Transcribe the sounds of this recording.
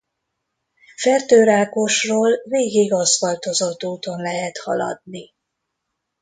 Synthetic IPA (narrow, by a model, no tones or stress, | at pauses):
fɛrt̪øːɾaːko̞ʃroːlveːɡiɡɒzʋɒlt̪o̞zo̞t̪ːuːt̪o̞nlɛɦɛt̪hɒ̰lɒ̰d̪̚ni